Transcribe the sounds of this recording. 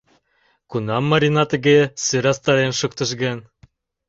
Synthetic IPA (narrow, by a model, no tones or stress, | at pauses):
kunɑmːɑɾʲinɑt̪ɘ̆ɡesøɾɑst̪ɑɾenʃŭkt̪ɤ̆ʃɡen